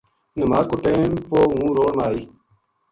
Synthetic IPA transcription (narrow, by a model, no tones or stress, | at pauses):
nəmaːkʊʈẽmpoːɦũːɾoːnaːi